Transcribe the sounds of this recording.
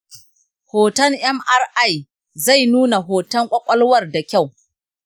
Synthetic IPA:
hoː˨tɐ˦ŋʔɛ˦mʔa˦rʔa˦˨j | za˦˨jnuː˦na˨ɦoː˨tɐ˦ŋkʷʼɐ˦kʷʼɐ˦lwɐ˦˨rda˨kʲa˦˨w

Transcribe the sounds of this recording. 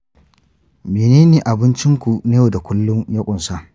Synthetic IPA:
meː˨neː˦neː˨ʔa˨bɪ˦nt͡ʃɪ˦ŋkʷu˨neː˦jo˨da˨kʷʊ˦lːʊ˦ŋjɐ˦kʷʼʊ˨nsa˦ʔ

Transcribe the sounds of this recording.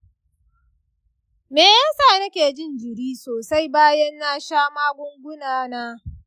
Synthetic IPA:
meː˨jaː˦saː˦˨nɐ˦kʲeː˨d͡ʒɪ˦nd͡ʒɪ˨ɽiː˦soː˨sa˦jbaː˦jɐ˦nːaː˦ʃaː˦maː˦ɡʷʊ˦ŋɡʷʊ˦naː˦naː˦

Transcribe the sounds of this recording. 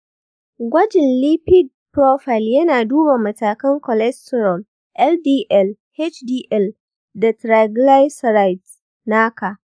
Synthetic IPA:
ɡʷɐ˦d͡ʒɪ˨nli˦pɪ˦d̚pɾoː˦ɸa˨jljɐ˦naː˨duː˦ba˨mɐ˨taː˨kɐ˦ŋkɔ˨lɛ˦stɛ˨ɾɔ˨l | ʔɛ˦ldiː˦ʔɛ˦˨l | he˦t͡ʃdiː˦ʔɛ˦˨l | da˨tɾa˨ɡla˦jsɾa˦jt | naː˦ka˨

